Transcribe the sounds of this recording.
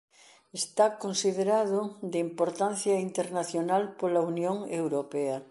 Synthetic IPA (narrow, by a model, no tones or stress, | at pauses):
est̪akonsiðeɾaðʊd̪eimpoɾt̪anθjɐint̪eɾnaθjonalpolaunjoŋewɾopɛɐ